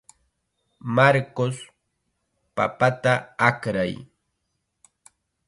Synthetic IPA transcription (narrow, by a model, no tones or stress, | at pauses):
maɾkos | pa̰pat̪aakɾaj